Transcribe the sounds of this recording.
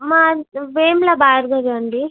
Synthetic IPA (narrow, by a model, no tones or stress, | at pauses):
maʋeːmlabaːɾɡɐɾɐɳɖi